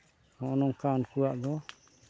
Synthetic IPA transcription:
hɔʔɔnɔŋkankuwaʔd̪ɔ

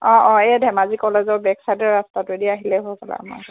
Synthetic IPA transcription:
ɔ̃ʔɔ̃eadʱɛmazikɔlezɔbɛksajdɔɹɹastatʊediaɦilɛɦokʰala̰mɔ̰

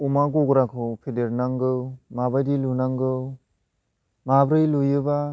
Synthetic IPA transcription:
umaɡoɡɾakʰɯwpʰedeɾnaŋɡɯwmabajdilunaŋɡɯw | mabɾɯjlujɯba

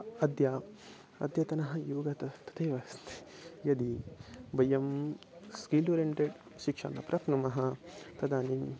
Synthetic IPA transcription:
ɐd̪jaː | ɐ̰d̪ʱjɐt̪ɐnɐɦɐ̆juːɡɐt̪ɐt̪ɐ̥t̪eːʋɐst̪ʰjɐd̪ibɐjɐm | skiːloɾeɳʈeɖ | ʃikʂa̰ːnɐpɾʔɐpnɐmɐɦɐt̪ɐd̪aːni

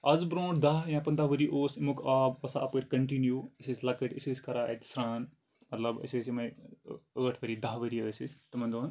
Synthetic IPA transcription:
ɐzbɾõːɳʈd̪ɐɦjãpɐnd̪ɐʋəɾiʔoːsimukʰaːbʋɐsa̰ɐpəɾʲkɐɳʈinjuːisislɐkɨʈisiskɐɾaːit̪sɾaːn | mɐt̪lɐbɐ̰siːsimɐjəːʈʰʋɐɾid̪ɐɦʋəɾiəːsist̪ɐmɐnd̪oːn

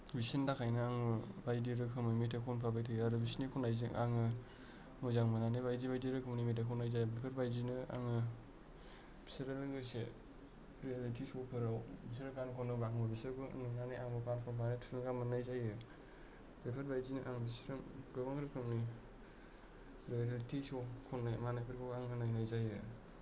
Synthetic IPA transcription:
bisindakʰajnɯaŋɯbajdiɾɯkʰɯmnimitakʰɔnpʰabajtʰɯjaɾubisinikʰɔnajzḭaŋɯ | mɔzaŋmɯnanibajdibajdiɾɯkʰɯmnimitakʰɔnajzajbɾepʰeɾbajzinɯa̰ŋɯ | bʰi̥siɾelɯɡɯse | ɾialitʰisɔpʰɯɾawbis̬ɾɯkankʰɔnɯbaŋbɯbisɯɾɡɯ̰nɯnaniaŋbɯkankʰɔbanetʰuɯŋɡamanajzajɯ | bɾepʰaɾbajzinɯʔaŋbisɾnɡɯbaŋɾɯkʰɯmni | ɾiaɾalitʰisɔkʰɔnːajmanajpʰɯɾkʰɔɡaŋɯnajnajzajɯ

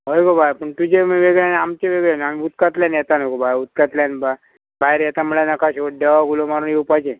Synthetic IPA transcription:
ɦojɡobajpəɳt̪ud͡ʑemʋeɡɭanamt͡ɕeʋeɡɭenaniut̪kat̪ljãnjɛt̪anəkobʱajut̪̚kat̪ljanba | bʱajɾɛt̪aməɭanakaɕoʈ̚ɖeʋaɡulomaɾuːnewpad͡ʑẽ

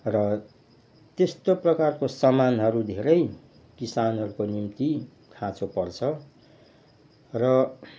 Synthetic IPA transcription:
rʌ | t̪est̪oprʌkarkosʌmanɦʌɾud̪ʱeɾʌj | kisanɦʌɾukonimt̪i | kʰãt͡sopʌrt͡sʰʌ | rʌ

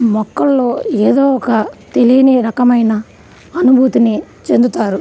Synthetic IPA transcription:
mɔkːɐlːo̞ːeːd̪oːɔkɐt̪e̞lijɐniɾɐkɐmɐjnɐ | ɐnubʱuːt̪ini | t͡ʃe̞nd̪ut̪aːɾu

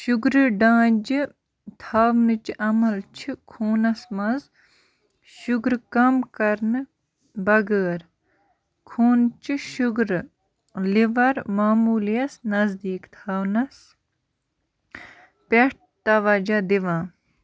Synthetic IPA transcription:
ʃuɡɾɨɖãːd͡ʒi | t̪ʰaːʋnɨt͡ʃʔɐmɐlt͡ʃʰikʰuːnɐsmɐz | ʃuɡɾkɐmkɐɾnɨ | bɐɡəːɾ | kʰuːnt͡ʃiʃuɡɾ | liʋɐɾmaːmuːlijɐsnɐzd̪iːkt̪ʰaːwnɐs | peʈ̚ | t̪ɐʋɐd͡ʒad̪iʋãː

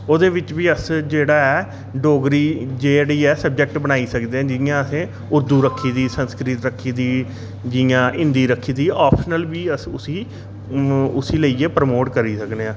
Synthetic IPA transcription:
oːd̪eːʋɪt͡ʃʋiːəsd͡ʒeːɽaːɛː | ɖoːɡɾiːd͡ʒeːɽiːɛːsəb̚d͡ʒɛk̚ʈbənaːiːsəkd̪eːɛ̃ːd͡ʒɪjãːəsẽː | ʊɾd̪uːɾəkʰːiːd̪iːsənskɾɪt̪ɾəkʰːiːd̪iː | d͡ʒɪjãːʔɪ̃nd̪iːɾəkʰːiːd̪iːɔːpʰʃnəlʋiːəsʊsiː | ʊsiːləiːeːpɾəmoːʈkəɾiːsəkneːãː

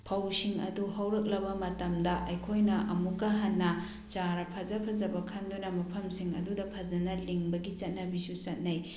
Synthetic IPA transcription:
pʰɐwsiŋɐ̰duɦɐwɾɐk̬̚lɐbɐmɐtɐmdɐʔɐjkʰojnɐʔɐmukːɐɦɐnːɐ | t͡ʃaɾɐpʰɐzɐpʰɐzɐbɐkʰɐndunɐmɐpʰɐmsiŋɐ̰dudɐpʰɐzɐnɐliŋbɐɡit͡ʃɐt̚nɐbisut͡ʃɐt̚nɐj

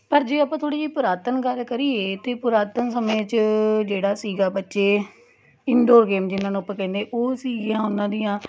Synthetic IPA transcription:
pəɾd͡ʒeːəpãːt̪ʰoːɽiːd͡ʒiːpʊɾaːt̪ənɡəɾkəɾiːeːt̪eːpʊɾaːt̪ənsəmẽːt͡ʃd͡ʒeːɽaːsiːɡaːbətːʃeː | ɪnɖoːɾɡeːmd͡ʒɪnːãːnũːpːəɾkɛ̃ːnd̪eːʔoːsiːɡijãːʊnːãːd̪ɪjãː

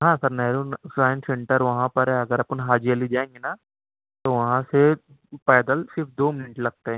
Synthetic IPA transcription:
ɦãːsɐɾnɛːɾuːnsaːj̃nʈsẽɳʈəɾʋɐɦãpɐɾɦɛɐɡəɾɐpənɦaːd͡ʒiəlid͡ʒaːẽːŋɡina | t̪oʋɐɦãse | pɛːd̪əlsɪɾfʰd̪oːmɪnɪʈlɐɡ̚t̪eɦɛ̃

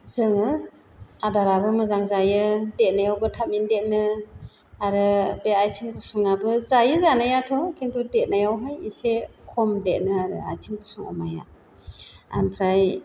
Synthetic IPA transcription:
zɯŋɯ | adaɾabɯmɯzaŋzajɯdet̚najawbɯtʰap̚mindet̚nɯ | aɾɯbeajtʰiŋbusuŋabɯzajɯzanajatʰɔkʰinpʰudet̚najawɦɯjisekʰɔmdet̚nɯaɾɯ̰a̰jtʰiŋbusuŋɔ̰maja̰ | a̰npʰɾaj

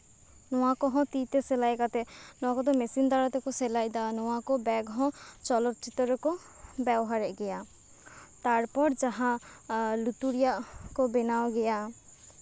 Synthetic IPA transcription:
nɔwakɔɦɔ̃t̪it̪ɛsɛlajkat̪ɛnɔ̃w̃akɔd̪ɔmɛsind̪aɾat̪ɛkɔsɛlajd̪anɔwakɔbɛɡɦɔ̃t͡ʃɔlɔt̪̚t͡ʃit̪ɔɾɔkɔ | bɛbɔɦaɾɛʔɡɛja | t̪aɾpɔɾd͡ʒaɦãlut̪uɾijaʔkɔbɛnawɡɛja

